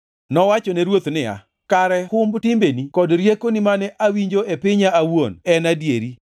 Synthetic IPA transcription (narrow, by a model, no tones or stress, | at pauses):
nɔwat͡ʃɔnɛɾwot̪nɪa̰ | kaɾɛhʊmbtɪmbenikɔdɾjekonɪmanɛʔawiɲd͡ʒoʔepɪɲaːwonɛnadjeɾi